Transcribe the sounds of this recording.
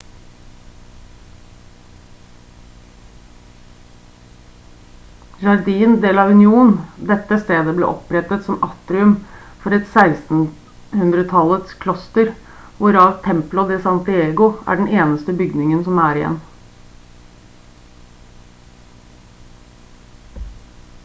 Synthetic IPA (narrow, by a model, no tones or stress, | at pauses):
d͡ʒɑɾd̪iːənd̪eːlɑʋʉnɪuːn̩d̪ɛt̪ːəst̪eːd̪əblḛːʔɔpɾɛt̪ət̪sɔmɑt̪ɾɪʉm | fɔɾɛt̪sæɪst̪n̩ | hʉnd̪ɾət̪ʰɑlət̪skʰlɔst̪əɾ | ʋʊɾɑːʋt̪ʰɛmplʊd̪ɛsɑnt̪ɪeːɡʊʔæ̰ːɖɳ̩eːnəst̪əbʏɡnɪŋənsɔmæːɾɪjɛ̰n